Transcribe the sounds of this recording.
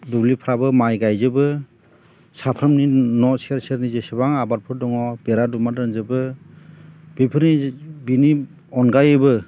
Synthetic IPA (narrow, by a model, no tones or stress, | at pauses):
dublipʰɾabɯmajɡajzɯbɯ | sapʰɾɯmninɔseɾseɾnizesɯbaŋabat̚pʰɯɾdɔŋɔb̥eɾadumadɯnzɯbɯ | bipʰɯɾnibini | ɔnɡajɯbɯ